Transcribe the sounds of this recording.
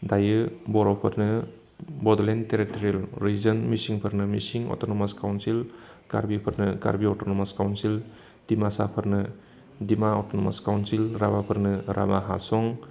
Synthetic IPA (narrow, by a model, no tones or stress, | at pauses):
dajɯbɔɾɔpʰɐɾnɯ | bɔdlenteɾitɔɾielɾizɐnmisiŋpʰɯɾnɯmisiŋɔ̰tɔnɔmaskawnsil | ɡ̥a̰ɾbipʰɯɾnɯɡa̰ɾbiɔtonɔmaskawnsil | d̥imasapʰɯɾnɯ | dimaɔtɔnɔma̰skawnsilɾabapʰɯɾnɯɾa̰baɦa̰sɔŋ